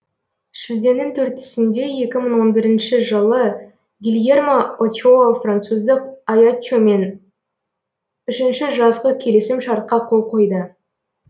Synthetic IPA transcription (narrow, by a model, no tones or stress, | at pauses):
ʃɪld̪e̞nːɪŋt̪ʰɵɾt̪ɪ̥sɪnd̪e̞je̞kʲɪməɴwo̞nbɪɾɪnʃɪʒəlˠə | ɡʲilʲje̞rmaot͡ʃofrant̪suzd̪əqajat͡ʃome̞n | ʏʃɪnʃɪʒɑzʁəkʲʰe̞lesɪmʃɑɾt̪̚qɑqʰo̞lˠqʰo̞jd̪ə